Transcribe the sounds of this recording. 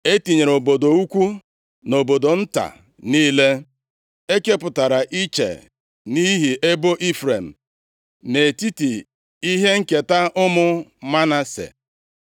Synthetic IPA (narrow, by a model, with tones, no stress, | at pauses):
e˦ti˨ɲe˨ɾo˨bo˨do˨u˦kʷu˦ | no˨bo˨do˨n̩˦ta̰˨ | niː˦le˦ | e˦ke˦pʊ˨ta˨ɾa˨ʔi˦t͡ʃḛ˨ | ni˦ɦi˨ʔe˦bo˦ʔi˦fɾe˨m̩˨ | ne˨ti˦ti˨ | i˦ɦe˦ŋ̩˦ke˨ta˦ʔʊ˦mʊ˦ma˦na˦sḛ˨